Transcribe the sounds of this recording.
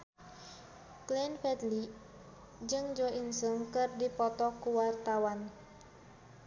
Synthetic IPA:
klɛnfɛt̪li | d͡ʒɨŋd͡ʒoʔinsəmkɨrdipɔt̪ɔkuwart̪awan

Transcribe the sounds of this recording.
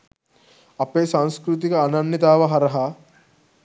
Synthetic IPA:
ɐpeːsaːŋskɾut̪̬ikɐːnɐnːit̪aːʋɐɦɐɾɐɦɐ

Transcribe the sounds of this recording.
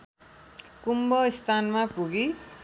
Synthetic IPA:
kumbʌist̪ʰanmapuɡi

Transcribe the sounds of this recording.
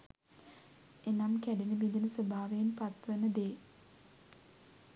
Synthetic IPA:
enamkæɖinəbid̪inəsəbʱaːʋeenpat̪ʋənəd̪eː

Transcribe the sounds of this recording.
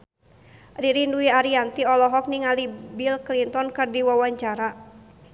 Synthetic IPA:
riɾinduiaɾiant̪iɔlɔɦɔk̚niŋalibilklint̪ɔnkɨrdiwawaɲt͡ʃaɾa

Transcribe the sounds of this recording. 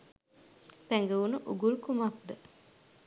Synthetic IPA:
t̪æŋɡəunuʔuɡulkumakd̪ə

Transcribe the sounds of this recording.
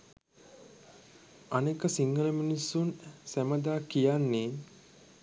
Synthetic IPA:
anekəsiŋɡələminisːunsæməd̪aːkijanːeː

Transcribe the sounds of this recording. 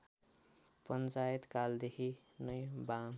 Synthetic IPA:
pʌnt͡sajet̪kald̪ekʰinʌjba

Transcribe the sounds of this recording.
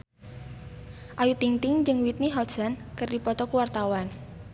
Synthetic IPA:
ʔajut̪iŋt̪ɪŋd͡ʒɨŋwit̪̚niɦɔ̥ʒ̥ankərdipɔt̪ɔkuwart̪awan

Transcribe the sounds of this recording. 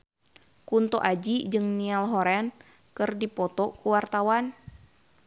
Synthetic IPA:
kunt̪oʔad͡ʒid͡ʒɨŋnialɦɔɾɛn | kɨrdipɔt̪ɔkuwart̪awan

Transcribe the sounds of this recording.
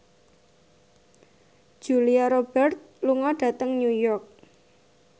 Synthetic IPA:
ʒ̥uliaɾob̥ɛrt̪̚luŋɔɖ̥ä̤t̪əŋnujɔrk̚

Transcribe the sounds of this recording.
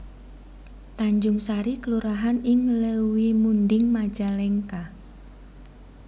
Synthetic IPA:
t̪aɲd͡ʒʊŋsaɾikəluɾaɦanɪŋləwimund̪ɪŋmad̥d͡ʒ̥alɛŋka

